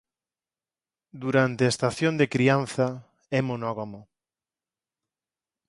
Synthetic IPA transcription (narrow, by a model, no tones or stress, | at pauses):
d̪uɾant̪eaest̪aθjond̪ekɾian̟θa | ɛmonɔɣamo